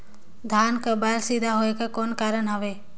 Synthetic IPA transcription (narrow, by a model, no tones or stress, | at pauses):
d̪ʱjaːnkabaːlsiːd̪ʱaɦoːekakoːnkaːɾənɦəʋe